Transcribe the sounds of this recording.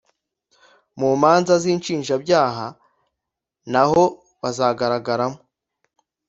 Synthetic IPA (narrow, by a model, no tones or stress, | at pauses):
muːmaːnzaziːnt͡ʃiːnʒabɟaːɦa | naho̞ | βazaːɡaɾaɡaɾamo